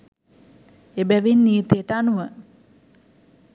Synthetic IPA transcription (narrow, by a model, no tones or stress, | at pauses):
ebæʋinːiːt̪ejəʈəanuʋə